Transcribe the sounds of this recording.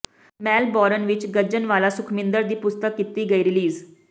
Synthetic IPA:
mɛːlbɔːɾənʋɪt͡ʃɡəd͡ʒənʋaːlaːsʊkʰmɪ̃nd̪əɾd̪iːpʊst̪əkːit̪iːɡəiːɾɪliːz

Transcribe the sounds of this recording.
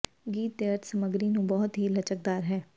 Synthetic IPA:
ɡiːt̪̚ːeəɾt̪səməɡɾinũːbɔːʊt̪ɦilət͡ʃək̚d̪aːɾɦɛː

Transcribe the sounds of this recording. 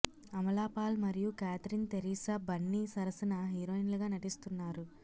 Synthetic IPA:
ɐmɐlaːpaːlmɐɾijukaːt̪ɾint̪eɾiːsɐbɐɳːisɐɾɐsɐnɐɦiːɾoːinɐlɐɡaːnɐʈist̪unːaːɾu

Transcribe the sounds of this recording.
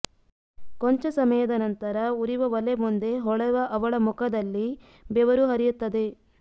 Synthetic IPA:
koɲt͡ʃɐsɐmɐjɐd̪ɐnɐnt̪ɐɾɐuɾiʋɐʋɐlemund̪e̞ɦɔɭɐʋɐʔɐʋɐɭɐmukʰɐd̪ɐlːi | beʋɐɾuɦɐɾijut̪ːɐd̪e̞

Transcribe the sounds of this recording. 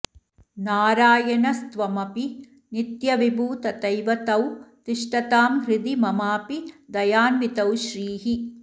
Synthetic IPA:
naːɾaːjɐnɐst̪ʋɐmɐpi | nit̪jɐʋibʱuːt̪ɐt̪ɐjʋɐt̪ɐwt̪iʂʈɐt̪aːmɦɾɪd̪imɐmaːpid̪ɐjaːnʋit̪ɐwʃɾiːɦi

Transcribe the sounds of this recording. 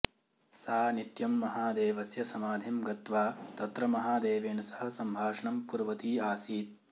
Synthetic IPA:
saːnit̪jɐmːɐɦaːd̪eːʋɐsjɐsɐmaːd̪ʱemɡɐt̪ʋaːt̪ɐt̪ɾɐmɐɦaːd̪eːʋeːnɐsɐ̥ɦɐ̆sɐmbʱaːʂɐɳɐmpuɾʋɐt̪iːaːsiːt̪̚

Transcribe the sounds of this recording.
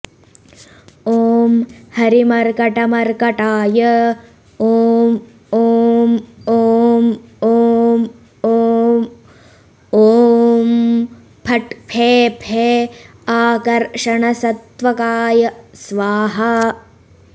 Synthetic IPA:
oːmhɐɾimɐɾkɐʈɐmɐɾkɐʈaːjɐ | oːm | omoːmoːm | oː | oːm | pʰɐʈpʰeːpʰeː | aːkɐɾʂɐɳɐsɐt̪ʋɐkaːjɐsʋaːɦɐ

